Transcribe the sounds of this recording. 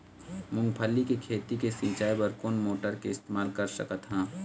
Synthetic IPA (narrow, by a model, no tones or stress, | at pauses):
mʊ̃ŋɡpʰəlːikekʰeːt̪ikesĩːt͡ʃaːjbəɾkoːnmoːʈəɾkeɪst̪eːmaːlkɐɾsəkət̪ɦɛ̃ː